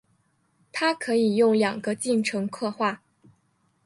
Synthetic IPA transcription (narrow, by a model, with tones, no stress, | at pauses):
t̪ʰa˥kʰɤ˧˥i˨˩jʊ˥˩ŋljɑ˨˩ŋɡə˧˦t͡ɕi˥˩ŋʈ͡ʂʰɤ˧˥ŋkʰɤ˥˧xwa˥˩